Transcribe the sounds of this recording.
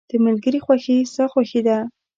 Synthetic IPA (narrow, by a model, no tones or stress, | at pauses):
d̪̥əmalɡəɾixwaxesaxwaxed̪a